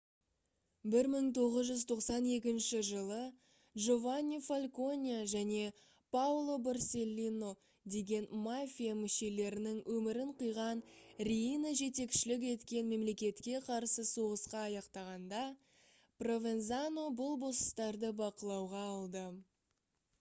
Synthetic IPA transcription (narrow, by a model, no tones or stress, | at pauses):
bɪɾməɴt̪ʰo̞ʁəzʒʏzt̪ʰo̞qsɑne̞k̬ʲɪnʃɪʒəlˠə | dʒo̞vanʲːifalʲko̞nʲijaʒæne̞ | pawlˠo̞barsʲe̞lʲːino̞ | d̪e̞ɡʲe̞nmafʲijamʏʃe̞le̞ɾɪnɪŋwʔɵmɪɾɪɴqijʁɑnrʲiinəʒe̞t̪e̞kʃɪlɪk̬e̞t̪kʲe̞nme̞mle̞kʲe̞t̪kʲe̞qʰɑɾsəso̞ʁəsqɑːjɑqt̪ɑʁɑnd̪ɑ | pro̞vʲe̞nzano̞bʊlˠbo̞sə̥st̪ɑɾd̪əbɑqəlˠɑwʁɑːlˠd̪ə